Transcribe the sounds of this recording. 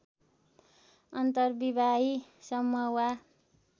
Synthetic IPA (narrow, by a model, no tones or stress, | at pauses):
ʌnt̪ʌrbibʱaisʌmːʌwa